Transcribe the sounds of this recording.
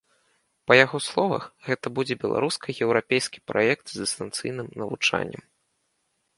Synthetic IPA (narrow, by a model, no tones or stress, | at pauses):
pɐjaɣɔslˠɔvɐ̰xɣɛt̪ɐbud͡zʲɛbʲɛlˠa̰ɾuskɐjɛwɾapʲejskʲi̥pɾa̰jɛkt̪zd̪ɨst̪ɐnt̪sɨ̰jnɨmnɐvut͡ʂa̰nʲːɛ̰m